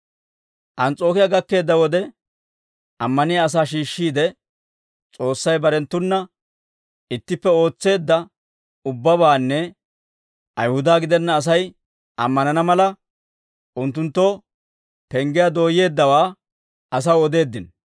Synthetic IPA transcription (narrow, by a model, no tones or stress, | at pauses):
ʔɐnt͡sʼo̞ːkɪjaɡɐkːe̞ːd̪ːɐwɔd̪ɛ | ʔɐmːɐnɪjaːs̬aːʃ̬iːʃːiːd̪ɛ | t͡sʼo̞ːsːɐjbɐɾɛnt̪ːʊnːɐ | ɪt̪ːɪpːɛo̞ːt͡sːe̞ːd̪ːɐ | ʊbːɐbaːnːɛ | ʔɐjhʊd̪aːɡɪd̪ɛnːɐːs̬ɐj | ʔɐmːɐnɐnɐmɐlɐ | ʔʊnt̪ːʊnt̪ːo | pɛŋɡɪjad̪o̞ːje̞ːd̪ːɐwaː | ʔɐs̬ɐwɔd̪e̞ːd̪ːɪn